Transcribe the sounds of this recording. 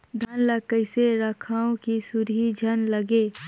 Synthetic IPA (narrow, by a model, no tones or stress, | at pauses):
d̪ʱɐnləkəɪseɾɐkʰaːõkisʊɾɦid͡ʒʱɐnlɐɡeː